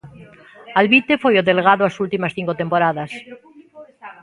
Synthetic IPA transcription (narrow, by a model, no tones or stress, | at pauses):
alβit̪efojoðelɣ̞aðoasult̪imasθiŋkot̪e̞mpoɾaðas